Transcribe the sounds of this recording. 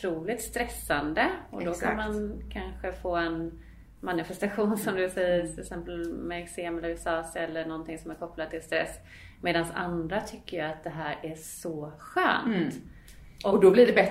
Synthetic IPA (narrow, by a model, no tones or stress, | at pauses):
t̪ʰɾuːlɪt̪st̪ɾɛsːand̪əɔd̪ɔkʰanmankʰanɧəfoːɛn | manɪfɛst̪aɧuːnsɔmd̪ɵsɛjːəɾt̪ʰɪlɛksɛmpəlmɛɛkseːmɛlːəɾsɑːsɛlːəɳɔnt̪ʰɪŋsɔmæɾkʰɔplad̪̚t̪ʰɪlst̪ɾɛ̰sː | meːd̪ansa̰nd̪ɾat̪ʰʏkːəjat̪̚d̪ɛɦæːɾæʂɔɧø̰ːntt̪ | ʔɔɔd̪ɔbliɖɛbɛ